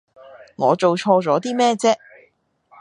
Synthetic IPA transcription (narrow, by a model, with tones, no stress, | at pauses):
ŋɔː˨˧t͡so˨wt͡ʃʰɔː˧t͡sɔː˨˥t̪iː˥mɛː˥t͡sɛː˥